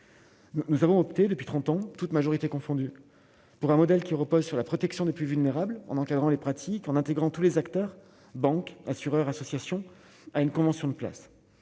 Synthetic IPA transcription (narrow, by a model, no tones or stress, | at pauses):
unuzavɔ̃ɔpt̪ed̪əpɥi̥t̪χɑ̃t̪ɑ̃t̪ut̪maʒɔʁit̪ekɔ̃fɔ̃d̪y | puʁɛ̃mɔd̪ɛlkʲiʁəpozsyʁlapχɔt̪ɛksjɔ̃d̪eplyvylneʁablɑ̰̃nɑ̃kad̪ʁɑ̃lepχat̪ʰikɑ̃nɛ̃t̪eɡʁɑ̃t̪ulezakt̪œʁ | bɑ̃kasyʁœʁasɔsjasjɔ̃ | aynkɔ̃vɑ̃sjɔ̃d̪əpla̰s